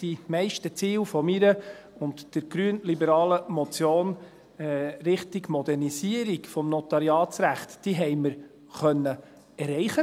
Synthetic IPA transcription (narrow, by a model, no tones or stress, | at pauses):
d̥imɛɪʃtət͡siːlfɔmiɾə | ʊntd̥əɾɡ̥ɾyənlibəɾɑːləmɔt͡sjoːn | ɾɪχtiɡmɔdɛrnisiəɾikfɔmnɔtɑɾiɑːt͡sɾæχtd̥iɦɛɪməɾ | χœnːə | ɛɾɛɪχə